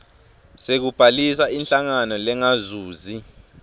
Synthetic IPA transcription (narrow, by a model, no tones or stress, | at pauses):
sek̬ub̥ʱalisainɬaŋanɔlɛŋazuːzi